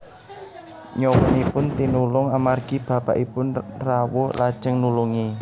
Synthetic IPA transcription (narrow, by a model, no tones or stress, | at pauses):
ɲɔwɔnipʊnt̪inulʊŋamarɡ̥ib̥ä̤pa̰ʔipʊnrawolad̥ʒ̥əŋnuluŋi